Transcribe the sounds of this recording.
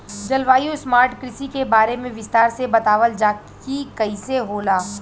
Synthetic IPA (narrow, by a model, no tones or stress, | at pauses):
d͡ʒɐlʋaːjũsmaːɾʈkɾɪsikebaːɾemẽʋɪst̪aːɾsebɐt̪aːʋəld͡ʒaːk | ikɐiseɦoːlaː